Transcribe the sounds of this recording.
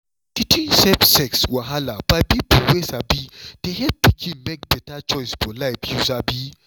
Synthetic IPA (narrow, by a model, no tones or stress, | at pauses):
titʰĩnsɛpsɛkswaɦalab̥aɪbipuwesabid̥eɦɛp̚pikʰĩnmek̚bɛtat͡ʃɔɪsfɔlaɪpjuzabi